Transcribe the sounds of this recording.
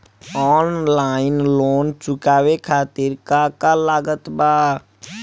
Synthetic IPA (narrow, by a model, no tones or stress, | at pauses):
ɔːnlaːɪnloːnt͡ʃʊkaːwekʰaːt̪ɪɾkakalaːɡət̪baː